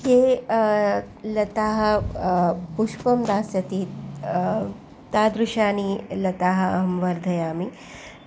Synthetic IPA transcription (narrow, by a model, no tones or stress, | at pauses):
jeː | lɐt̪aːɦɐ̆ | puʃpɐmd̪aːsjɐt̪i | t̪aːd̪ɾuʃaːnilɐt̪aːɦɐ̆ɐɦɐmʋɐɾd̪ʱɐjaːmi